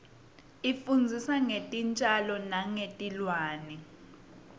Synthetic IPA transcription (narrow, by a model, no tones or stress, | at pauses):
ifund͡zʱisaŋetʼint͡ʃʼalɔnaŋetʼilwaːnɛ